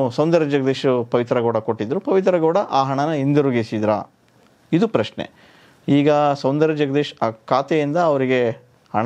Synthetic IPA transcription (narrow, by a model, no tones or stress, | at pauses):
sɐwnd̪ɐɾɐd͡ʒɐɡɐd̪eːʃupɐʋit̪ɾɐɡɐːɽɐko̞ʈːid̪ɾupɐʋit̪ɾɐɡɐːɽɐʔaːɦɐɳɐnɐind̪uɾuɡisid̪ɾa̰ | id̪upɾɐʂnḛ | iːɡɐsɐwnd̪ɐɾɐd͡ʒɐɡɐd̪eːʃaːkaːt̪ɛjind̪ɐːʋɐɾiɡe̞ | hɐ̰ɳ